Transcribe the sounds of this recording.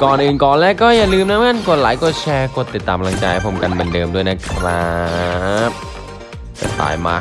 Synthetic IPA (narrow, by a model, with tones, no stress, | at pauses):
kɔː˨˩nʔɯː˨˩nkɔː˨˩nlɛː˥˩kːɔː˥˩ja˨˩lɯː˧mna˦˥ŋa˥˩nku˨˩ət̚laː˩˦jku˨˩t̪̚t͡ɕʰɛː˧kʰu˨˩t̪ːi˨˩t̪ːaː˧pa˧la˧ŋt͡ɕaː˧jhpʰo˩˦ka˧npe˧ndɤː˧mdu˥˩əjna˦˥kʰlaː˦ | ka̰˧˩sa̰ː˨˩˦jma̰˦˥˩